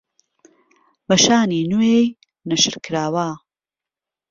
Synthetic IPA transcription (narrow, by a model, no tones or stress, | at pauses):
bɐʃaːniːnuej | nɐʃɨɾkʰɾaːwa